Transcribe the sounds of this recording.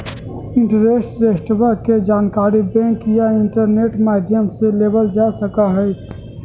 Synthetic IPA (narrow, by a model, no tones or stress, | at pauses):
ɪ̃ɳʈəɾeːsʈɾeːsʈəʋəked͡ʒaːnkaːɾibɛ̃ŋkjaɪ̃ɳʈəɾneːʈmaːd̪ʱjəmseleːbəld͡ʒaːsəkaɦɛ